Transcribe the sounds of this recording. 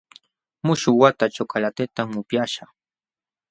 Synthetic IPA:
mʊʃʊwat̪at͡ʃokalat̪et̪amʊpjaʃa

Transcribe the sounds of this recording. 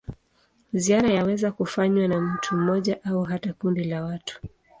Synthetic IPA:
ziaɾajawɛzakufaɲwanam̩tʰum̩ɔʄaʔauɦatakundilawatu̥

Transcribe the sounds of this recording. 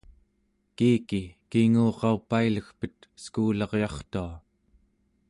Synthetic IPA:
kiːkikiŋuːʁɑupailəxpət̪̚skuːlɑʁjɑχt̪ua

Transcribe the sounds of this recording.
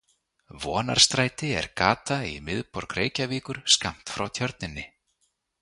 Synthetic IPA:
vɔːna̰ɾ̥st̪ɾajt̪ɪɛ̰ɾkaːt̪aimɪðpɔɾkɾeːjcaviːkʏɾ̥skam̥t̪fɾawt̪ʰjœɾt̪̚nɪnːɪ

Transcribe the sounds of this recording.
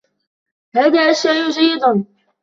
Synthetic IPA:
haːðaːʔaʃːajʔd͡ʒajːɪd̪ʊn

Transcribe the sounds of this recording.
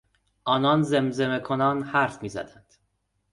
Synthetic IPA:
ʔɒːnɒːnzemzemekʰonɒːnhæɾfmiːzæ̰d̪ænd̪̥

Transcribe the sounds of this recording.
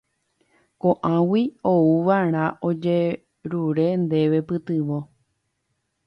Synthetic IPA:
kõʔãwiouʋaɾ̃ãʔod͡ʒe | ɾuɾe̞nd̪e̞ʋe̞pɨt̪ɨʋo

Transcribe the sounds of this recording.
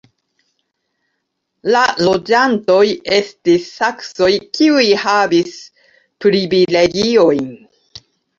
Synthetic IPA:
lalo̞d͡ʒanto̞je̞stisːakso̞jkiujhabis | pɾivile̞ɡio̞jn

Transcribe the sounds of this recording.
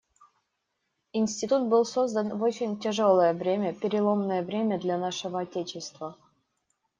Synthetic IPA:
insʲtʲɪt̪ut̪̚bɨlˠsozd̪ənvo̞t͡ɕɪnʲtʲɪʐolˠəjəvɾʲemʲəpʲɪɾʲɪlˠomnəjəvɾʲemʲəd̪lʲanaʂɨvəɐtʲet͡ɕɪst̪və

